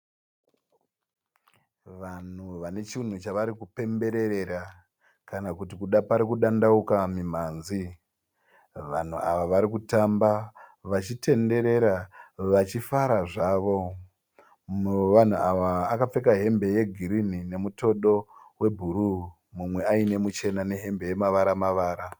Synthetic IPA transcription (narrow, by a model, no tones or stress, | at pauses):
ʋan̤uʋane̞t͡ʃin̤ut͡ʃaʋaɾikupe̞mbe̞ɾe̞ɾe̞ɾa | kanakutikuɗapaɾikuɗandaukamimaːnzi | ʋa̰n̤uaʋaʋaɾikutambaʋat͡ʃitʰe̞nde̞ɾe̞ɾaʋat͡ʃifaɾaʐaːʋo̞ | ʋan̤uaʋaːkap͡fe̞kaɦe̞mbe̞je̞ɡʱiɾin̤ine̞muto̞ɗo̞we̞bʱuɾu | mumwe̞aine̞mut͡ʃe̞nane̞ɦe̞mbe̞je̞maʋaɾamaʋaːɾa